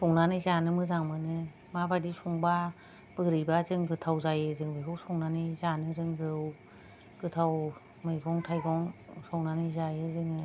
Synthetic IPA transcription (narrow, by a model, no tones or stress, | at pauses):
sʰɔŋnanɯjzanɯmɯzaŋmɯnɯ | mabadisɔŋba | b̥ɯɡɾɯjbazɯŋɡɯtʰawzajɯzɯŋbɯkʰɯwsɔŋnanizanɯɾɯŋɡɯw | ɡ̥ɯtʰaw | mɯjɡɔŋtʰajɡɔŋsɔŋnanɯzajɯzɯŋɯ